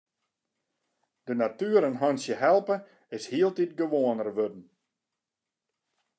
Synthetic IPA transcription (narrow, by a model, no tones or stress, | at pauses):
d̥ənatyəɾənɦɔnsjəɦɛlˠpə | ɪshiəlˠtit̚ɡəʋoənərʋødn̩